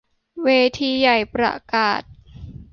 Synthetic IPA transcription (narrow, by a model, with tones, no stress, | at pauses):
weː˧t̪ʰiː˧ja˨˩jpɾa̰˧kaː˨˩t̪̚